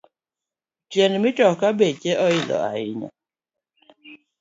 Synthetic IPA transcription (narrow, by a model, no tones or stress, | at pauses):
t͡ʃjɛnmɪtɔkabet͡ʃeʔɔɪlɔ̰a̰ɪɲa̰